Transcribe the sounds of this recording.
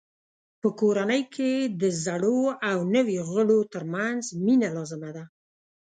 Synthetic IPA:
pəkoɾanəjkʰed̪əzaɽoawnəweɣəɽot̪əɾmanzminalɑzɪmad̪a

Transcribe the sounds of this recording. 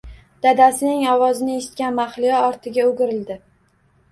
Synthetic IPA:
d̪̥ad̪asɪnɪŋɒwɒzɪnɪeʃɪ̥t̪̚kʲanmaχlɪjɒɒɾt̪ʰɪɡʲaoɡʲɪɾɪld̪ɪ

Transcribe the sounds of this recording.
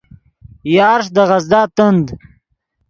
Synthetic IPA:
jɑːɾʂ̬d̪əʁɐzd̪ɑːt̪ənd̪

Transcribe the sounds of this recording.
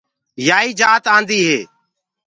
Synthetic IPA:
jaːiːd͡ʒaːt̪ãːnd̪iːɦeː

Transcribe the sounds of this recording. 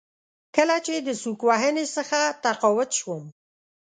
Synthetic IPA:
kəlat͡ʃed̪əsukwɑɦənesəxat̪aqɑwʊt̪ʃwəm

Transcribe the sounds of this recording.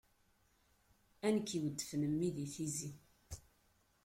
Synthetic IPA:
ænəkːiwəd̪ːəfnəmːiðiθizi

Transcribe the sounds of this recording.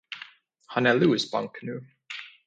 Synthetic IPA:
hanɛluːɪsbã̰ŋkʰənuː

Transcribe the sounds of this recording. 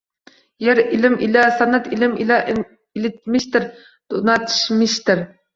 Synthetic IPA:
jæɾilɪmʔilɛsɑnːɛt̪ʰilɪmilɛʔ | ilɪt̪̚mɪʃt̪ɪɾ | d̪̥unɑt̪ʰɨ̥ʃmɪʃt̪ɪɾ

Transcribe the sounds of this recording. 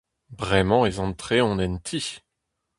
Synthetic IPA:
bʁɛmɑ̃ezɑ̃t̪χeɔ̃nɛnt̪ʰi

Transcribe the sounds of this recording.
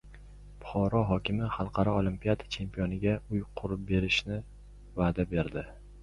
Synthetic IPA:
bʊχɒɾɒɦɒkʲɪmɪχɑlˠqʰɑɾɒolˠimpijad̪ḁt͡ʃʰe̞mpʰijonɪɡʲaʊjqʰʊɾɪp̚be̞ɾɪʃnɪ | vaːd̪abe̞ɾd̪ɪ

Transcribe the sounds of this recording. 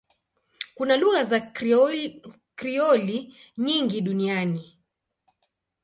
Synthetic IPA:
kunaluɣaza | kɾiɔliɲiŋɡiɗuniani

